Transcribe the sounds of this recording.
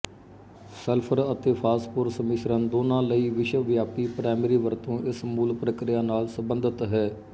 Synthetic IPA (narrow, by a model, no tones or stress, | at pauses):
səlpʰəɾət̪eːpʰaːspʊɾsəmɪʃɾənd̪oːnãːləiːʋɪʃəʋjaːpiːpɾaːməɾiːʋəɾt̪õːʔɪsmuːlpɾəkɾɪjaːnaːlsəbənd̪ət̪ɦɛː